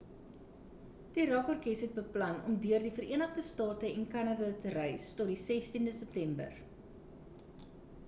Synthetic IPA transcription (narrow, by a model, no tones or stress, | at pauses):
diɾɑkɔrkɛsɦɛt̚bəplɐnɔ̰mdyərdifəɾiənəχdəstɑːtəɛnkɐnɐdɐtəɾœjstɔt̚disɛstindəsɛp̚tɛmbə̰r